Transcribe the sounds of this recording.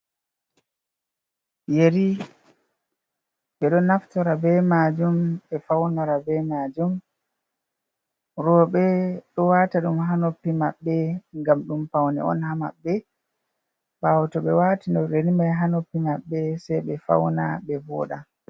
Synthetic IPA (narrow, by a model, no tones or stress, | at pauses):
jeɾi | ɓɛɗɔnaftɔɾabɛmad͡ʒumɓɛfawnɔɾabɛmad͡ʒum | ɾɔɓɛɗɔwaːtaɗumɦanopːimaɓːɛŋɡamɗumpawnɛ̰ɔ̰nhama̰ɓːɛ | ɓawtɔɓɛwaːtinɔɾenimajɦanopːimaɓːɛsɛjɓɛfa̰wna̰ɓɛvɔ̰ːɗa